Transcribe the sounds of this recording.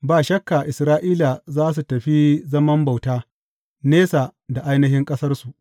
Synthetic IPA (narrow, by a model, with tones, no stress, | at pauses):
baː˨ʃɐ˦kːa˨ʔɪ˨sɾaː˦ʔiː˦la˨zaː˦s̬u˨tɐ˨ɸi˦zɐ˦mɐ˦mba˨wtaː˦ | neː˦sa˨da˨ʔa˦jnɐ˦ɦɪ˦ŋkʼɐ˦sɐ˦rsu˨ʔ